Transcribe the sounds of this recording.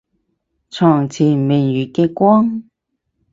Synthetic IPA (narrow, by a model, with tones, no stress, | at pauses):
t͡sʰɔː˨˩ŋt͡sʰiː˨˩me˨˩ŋjyː˨˩kɛː˧kʷɔː˥ŋ